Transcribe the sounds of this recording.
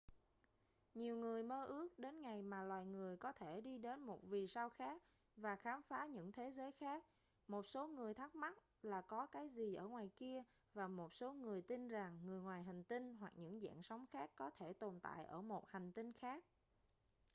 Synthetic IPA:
ɲi˨˩əwŋɨ˨˩əjməː˧ʔɨ˦˥ək̚ɗe˨˦nŋa˨˩jmaː˨˩lwaː˨˩jŋɨ˨˩əjkɔ˨˦t̪ʰe˧˩ɗi˧ɗe˨˦nmo˨˩t̚vi˨˩sa˧wxaː˦˥k̚ | vaː˨˩xaː˨˦mfaː˨˦ɲɨ̰˧˥ŋt̪ʰe˨˦zəː˨˦jxaː˦˥k̚ | mo˨˩t̚so˨˦ŋɨ˨˩əjt̪ʰa˦˥k̚ma˦˥t̚ | laː˨˩kɔ˨˦kaː˨˦jzi˨˩ʔəː˧˩ŋwaː˨˩jki˧ə | vaː˨˩mo˨˩t̚so˨˦ŋɨ˨˩əjt̪i˧nza˨˩ŋːɨ˨˩əjŋwaː˨˩jɦa˨˩ŋ̟t̪i˧nɦwa˨˩k̚ɲɨ̰˧˥ŋza̰ː˧˨nsa˨˦wŋ͡mxaː˦˥kːɔ˨˦t̪ʰe˧˩t̪o˨˩nt̪a̰ː˧˨jʔə̰ː˧˩mo˨˩t̚ha˨˩ŋ̟t̪i˧nxaː˦˥k̚

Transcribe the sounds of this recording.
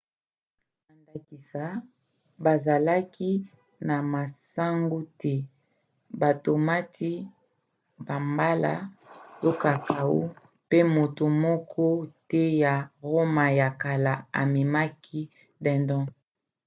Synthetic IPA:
ba˨nda˨ki˨sa˨ | ba˨za˨la˦ki˦ | na˨ma˨sa˦ŋɡu˦tɛ˦ | ba˨to˨ma˦tʰi˦ | ba˨mba˦la̰˨to˦ka˨ka˨o̰˦ | pe˦mo˨to˨mɔ˦kʰɔ˦tɛ˦ja˨ʁo˦ma˨ja˨ka˨la˨a̰˨mi˨ma˦ki˦ | dɛ̃˨ndɔ̃˦

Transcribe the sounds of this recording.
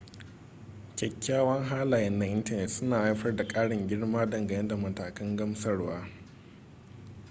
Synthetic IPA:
kʲɐ˨kʲːaː˦wɐ˦ŋɦaː˦laː˨jɐ˦nːa˦ʔɪ˦ntɐ˨nɛ˨tsʊ˦naː˨ʔa˦jɸɐ˦rda˨kʼaː˦ɽɪ˨ŋɡʲɪ˦ɽmaː˦dɐ˨ŋɡɐ˨jɛ˦nda˨mɐ˨taː˨kɐ˦ŋɡɐ˦msɐ˦ɽwaː˦

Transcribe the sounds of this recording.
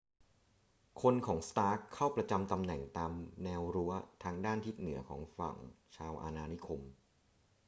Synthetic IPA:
kʰo˧nkʰɔː˩˦ŋst̪aː˦˥kʰːa˥˩wpɾa˧t͡ɕa˧mt̪a˧mnɛ˨˩ŋt̪aː˧mnɛː˧wɾu˦˥ɐt̪ʰaː˧ŋdaː˥˩nt̪ʰi˦˥t̪̚nɯ˩˦ɐkʰɔ̰ː˩˦ŋfa̰˨˩ŋt͡ɕʰaː˧wʔa̰ː˧naː˧ni˦˥kʰo˧m

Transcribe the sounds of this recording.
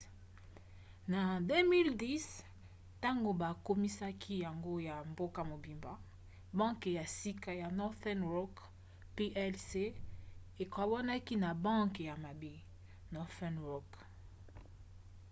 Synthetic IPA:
na˨de˦mi˦ldi˦s | ta˦ŋɡo˨ba˨ko˦mi˦sa˦kʰi˦ja˨ŋɡo˦ja˨mbo˦ka˨mo˨bi˨mba˨ | bã˦ŋkja˨si˦ka˦ja˨nɔ˦θɛ˦nʁɔ˦k | pe˦ʔɛ˦lse˦ | e˨ka˨wa˦na˦ki˦na˨bã˦ke˨ja˨ma˨bi˦ | nɔ˦θɛ˦nʁɔ˨k

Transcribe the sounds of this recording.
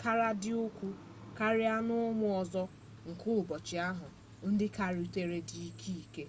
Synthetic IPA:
ka˦ɾa˦dɪ˦ʊ˦kʷu˦ | ka˦ɾɪ˦a˦nʊ˦mʊ˦ɔ˨zɔ˦ | ŋ̩˨kʊ˦ʊ˨bɔ˨t͡ʃɪ˨a˦ɦʊ˨ | n̩˦dɪ˦ka˨ɾu˨te˦ɾe˦di˨i˦kʰi˦i˨ke˦

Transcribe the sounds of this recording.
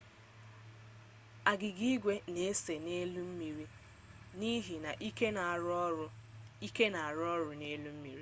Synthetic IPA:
a˨ɡɪ˨ɡi˦ɡʷe˦ne˨˦se˨ne˦lu˦m̩˦mi˨ɾi˦ | ni˦ɦi˨na˨ʔi˦ke˦na˨ɾɔ˦ʊ˦ | i˦ke˦na˨a˨ɾɔ˦ɾʊ˨ne˦lu˦m̩˦mḭ˨ɾi˦

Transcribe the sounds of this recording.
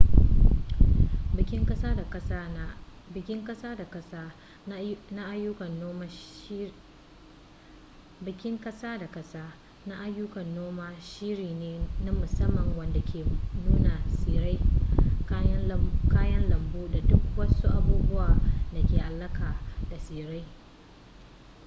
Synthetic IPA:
bɪ˨kʲɪ˦ŋkʼɐ˦saː˦da˨kʼɐ˦s | ɪ˨kʲɪ˦ŋkʼɐ˦saː˦da˨kʼɐ˦saː˦ | na˦ʔa˦jːʊ˦kɐ˨no˦ | bɪ˨kʲɪ˦ŋkʼɐ˦saː˦da˨kʼɐ˦saː˦ | na˦ʔa˦jːʊ˦kɐ˨nːoː˦maː˦ʃiː˦ɾiː˨neː˨na˦mʊ˨sɐ˦mːɐ˨ŋwɐ˨nda˨kʲʰeː˨nuː˦na˨siː˨ɾa˦j | kaː˦jɐ˦nlɐ˨mbuː˦da˨dʊ˦kwɐ˦su˦ʔa˦buː˦bʊ˦waː˨na˨kʲeː˨ʔa˨˦lːɐ˦kaː˨d̥a˨siː˨ɾa˦j

